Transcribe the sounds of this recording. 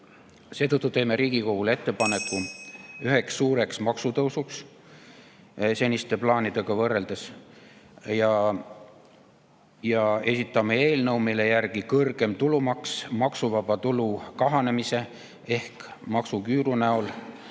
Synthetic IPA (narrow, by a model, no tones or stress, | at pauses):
se̞ːt̪ɤt̪ːˑut̪e̞ːme̞ɾiːɡ̥iko̞ɡ̥ule̞t̪ːe̞pɑne̞kːˑuyɦe̞ksːuːɾe̞ksmɑksut̪ɤwsuks | se̞nʲist̪e̞plɑːnid̪e̞ɡ̥ɑvɤɾːe̞ld̪es | jɑ | jɑe̞sit̪ːˑɑmee̞ːlnɤwmile̞jærɡ̥ikɤrɡ̥e̞mt̪ulumɑksmɑksuvɑbɑt̪ulukɑɦɑne̞mise̞ | e̞hkmɑksukyːɾunæol